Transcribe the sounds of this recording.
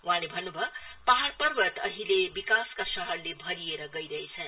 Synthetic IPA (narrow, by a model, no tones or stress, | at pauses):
uɦãlebʱʌnːubʱʌpaɦaɽpʌrbʌt̪ʌɦilebikaskasʌɦʌɾlebʱʌɾieɾʌɡʌjɾʌɦet͡sʰʌn